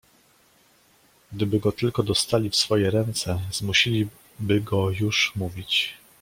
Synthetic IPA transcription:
ɡ̚d̪ɘbɘɡɔt̪ɘlkɔd̪ɔst̪alʲifsfɔjɛɾɛnt̪sɛzmuɕilʲi | bɘɡɔjuʂmuvʲit͡ɕ

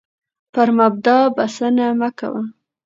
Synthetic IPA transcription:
pəɾmab̚d̪ɑbasanamaka̰wa

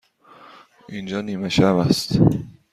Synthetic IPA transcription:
ʔind͡ʒɒːniːmeʃæbæst̪

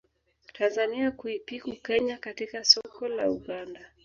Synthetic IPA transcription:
tʰanzaniakuipikukɛɲakatikasɔkɔla̰uɠanda

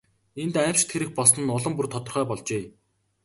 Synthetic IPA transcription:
ent̪æw̥ʲt͡ɕt̪ʰeɾɘ̆x̚pɔsə̆nʊɮə̆mpurt̪ʰɔt̪ɞ̆rχœːpɔɮt͡ɕeː

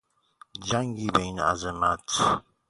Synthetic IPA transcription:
d͡ʒaŋɡibɛŋna̰zɛmat

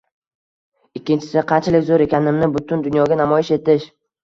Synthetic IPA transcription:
ɪkʲːɪnt͡ʃʰɪ̥sɪqʰɑnt͡ʃʰalɪkʲzoɾe̞kʲʰanɪmnɪbʊt̪ʰʊnd̪ʊnjɒɡʲanamɒjɪʃe̞t̪ɪʃ

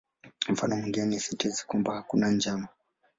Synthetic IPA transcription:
m̩fanɔmiŋɡinɛnisitizi̥kwambahakunand͡ʒama

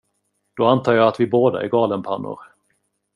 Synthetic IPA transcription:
d̪̥ɔant̪ʰɑːjɑːat̪vɪboːd̪a̰æ̰ɾɡɑːlənpʰanːʊ̰ɾ

